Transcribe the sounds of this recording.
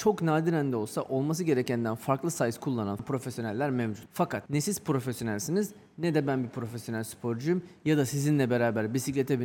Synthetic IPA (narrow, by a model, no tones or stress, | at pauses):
t͡ʃʰo̞knaːd̪iɾænd̪ɛo̞lˠsaʔo̞lˠmas̬ɯɟe̞ɾecænd̪ænfaɾklˠɯsajɯskʰulˠːananpʰɾo̞fesjonɛlʲːæɾmevd͡ʒut̪fakʰat̪nesiz̥pɾo̞fesjo̞nælʲsiniz | nɛd̪ɛbænbipʰɾo̞fesjo̞nælʲsy̥pʰo̞ɾd͡ʒujumjad̪asizinlʲɛbe̞ɾaːbæɾbisiclʲet̪ʰebi